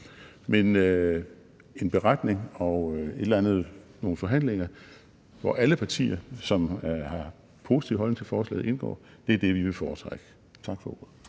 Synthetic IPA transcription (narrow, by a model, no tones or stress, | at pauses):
menø | e̝nb̥e̝ʁad̥ne̝ŋɒ̽e̝d̥lænð̞̩ˠno̝ːn̩fɒ̽ɦæn̰leŋɐ | ʋɒ̰ʔæləpʰɑ̈t͡sʰḭːɐsɒ̽mhɑ̈ | pʰo̝̰ːsi̥t͡sʰiʊɦɒ̽l̰nɪŋt͡sʰefɒːslɛ̰ːð̩ˠe̝nɡ̥ɒ̰ːd̥e̝æɐd̥e̝ʋiʋe̝fɒːt͡sʰʁaɡ̥ə | t͡sʰɑ̈ɡ̥fɒ̽ɡoðˠ